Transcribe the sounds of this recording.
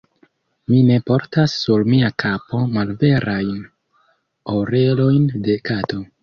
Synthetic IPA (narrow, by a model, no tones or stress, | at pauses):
mine̞po̞ɾtasːuɾmiakʰapo̞malve̞ɾʔajn | oɾe̞lo̞jnde̞kato̞